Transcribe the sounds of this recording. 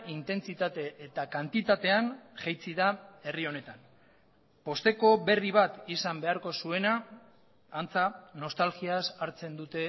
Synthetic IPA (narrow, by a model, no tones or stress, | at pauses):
int̪e̞nt͡sit̪at̪e̞ːt̪akant̪it̪at̪e̞anʝejt͡siðae̞rio̞ne̞t̪an | po̞st̪e̞ko̞βe̞riβ̞at̪isambe̞aɾko̞sue̞naː | nt͡sano̞st̪alɣiasaɾt͡se̞nd̪ut̪e̞